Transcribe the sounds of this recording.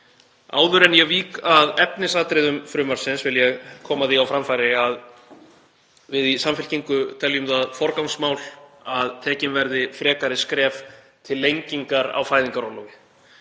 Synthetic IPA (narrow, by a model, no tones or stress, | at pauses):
a̰ːwðʏɾɛnjɛɣviːkaðɛpnɪsaːt̪ɾejðʏmfɾʏːmaɾ̥sɪnsvɪljɛɣkʰɔːmaðiawfɾamfajɾɪað | vɪðisamfɪl̥ciŋkʏt̪ʰɛljʏmðaðfɔɾkawŋsmaːwlaðt̪ʰɛːcɪnvɛɾðɪfɾɛːkaɾɪskɾɛːf | t̪ʰɪlːejɲciŋkaɾa̰wfaːjðiŋkaɾɔwlɔwvɪ